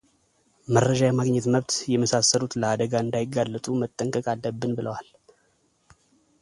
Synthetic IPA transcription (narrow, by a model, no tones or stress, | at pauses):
məɾəd͡ʒajɛmaɡɲɛt̪məβt̪jɛməsasːəlut̪ləad̪əɡaɨnd̪ajɪɡːalːət̪ʼumət̪ʼːəŋkʼəkʼalːəbːɨnbɨləwal